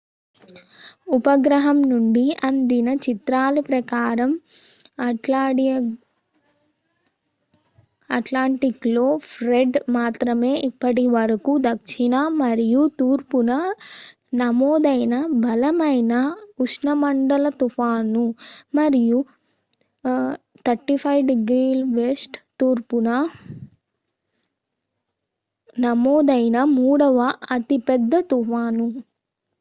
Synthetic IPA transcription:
upɐɡɾɐɦɐmnuɳɖiɐnd̪inɐt͡ʃit̪ɾaːlipɾɐkaːɾɐm | ʈlaːɽi | ɐʈlaːɳʈiklo̞ːpʰɾeɖmaːt̪ɾɐme̞ːʔipːɐʈ̬iʋɐɾɐkud̪ɐkʂinɐmɐɾijut̪uːɾpunɐ | nɐmɔːd̪ɐjnɐbʱɐlɐmɐjnɐuʂɳɐmɐɳɖɐlɐt̪upʰaːnumɐɾiju | t̪ʰɐɾʈipʰɐjʋɖiɡɾiːlʋesʈt̪uːɾpunɐ | nɐmɔːd̪ɐjnɐmuːɽɐʋɐɐt̪ipɛd̪ːɐt̪upaːnu

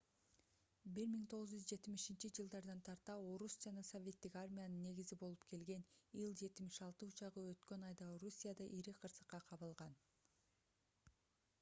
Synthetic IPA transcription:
biɾmiŋt̪ʰo̞ʁɯzd͡ʒyzd͡ʒe̞t̪imiʃint͡ʃid͡ʒɯlˠd̪ɑɾd̪ɑnt̪ʰɑɾt̪ɑo̞ɾusd͡ʒɑnɑso̞vʲe̞t̪ːikarmʲijanɯnːe̞ɡizibo̞lˠupkʰe̞lɡe̞nijlˠd͡ʒe̞t̪ɪmiʃɑlˠt̪ɯut͡ʃɑʁɯø̞t̪kø̞nɑjd̪ɑoɾusʲijad̪ɑʔiɾiqʰɯɾsɯ̥qːɑqʰɑβɯlˠʁɑn

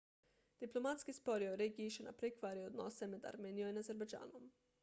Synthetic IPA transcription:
d̪̥iplˠomat̪skispoɾjoɾeɡiːʃena̰pɾekʋaɾiod̪nosemed̪a̰ɾmeːnijoinazeɾbed͡ʒa̰ːnom

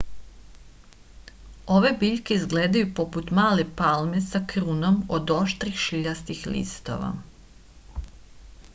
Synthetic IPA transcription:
o̞ʋe̞biʎkeizɡleːd̪ajupo̞put̪maːlepalme̞sakɾuno̞mod̪o̞ʃt̪ɾixʃiʎast̪ixlḭst̪o̞̰ʋa̰

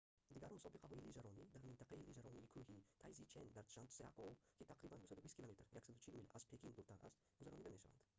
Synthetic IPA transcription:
d̪ɪɡʲaɾmʊsɒbɨqʰɑɦɔilid͡ʒaɾɒnid̪aɾmɪnt̪ʰaqʰɑilid͡ʒaɾɒnikʰɵhit̪ʰajzit͡ʃʰend̪aɾʃant̪sia̰qokʲʰit̪ʰaqɾibanbosad̪abisʲkʰʲilˠomet̪ʰɾjakʲsad̪ʊt͡ʃʰilmilʔaz̥pʰekʲiŋd̪ʊɾt̪anʔa̰st̪bʊd͡ʒaɾɒnid̪ameʃava̰nd̪ɪ

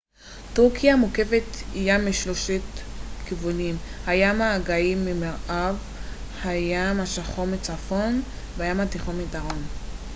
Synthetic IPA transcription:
tuʁkijamuke̞vet̪hijamiʃloʃetkivunimhajamaːɡaimːimeʁʔav | hajamaʃaχomet͡safo̞n | veajamat̪iχomidaʁo̞n

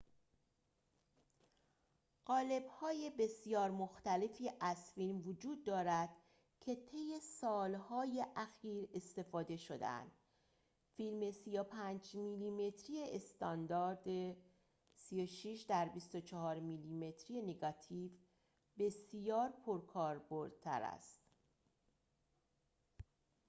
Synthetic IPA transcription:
ɢ̥ɒːle̞bhɒːje̞be̞sijɒːɾmoxt̪æle̞fiːʔæz̥fiːlmvod͡ʒuːd̪̚ːɒːɾæd̪̥ | cʰe̞t̪ʰe̞jːe̞sɒːlhɒːje̞ʔæxiːɾe̞st̪e̞fɒːd̪e̞ʃo̞d̪ḛæ̰nd̪̥ | fiːlme̞sijopʰænd͡ʒmilime̞t̪ʰɾije̞ʔest̪ɒnd̪ɒːɾd̪e | sijoʃiʃd̪æɾbist̪o̞t͡ʃʰɒɦɒːɾmilime̞t̪ʰɾije̞neɡɒt̪ʰiːv | be̞sjɒːɾpʰoɾkʰɒːɾboɾd̪̥̚t̪ʰæ̰ɾæ̰st̪

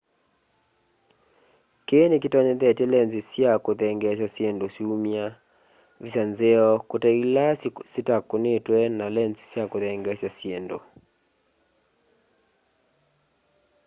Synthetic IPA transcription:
kenekitɔɲɛðɛtɛlɛnzisjakoðɛŋɡɛs̬jasjendosiumja | visanzeɔkotailasitakːonetwɛnalɛnzi̥sjakoðɛŋɡɛsasjendo̰

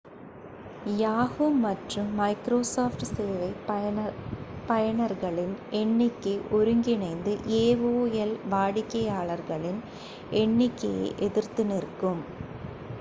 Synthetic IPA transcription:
jaːɣɯːɐʈrɯmːɐɪkɾoːsoːfʈseːʋɐɪ | pɐjɐɳɐɾɣɐɭɪnʔɛɳːɪkːeʔɔɾɯŋɡɪnɐɪnd̪ɯʔeːʋoːjɛlʋaːɽɪkːɐjaːɭɐɾɣɐɭɪn | ɛɳːɪkːɐjḛːʔɛðɪɾt̪ɪnɪɾkːɯm

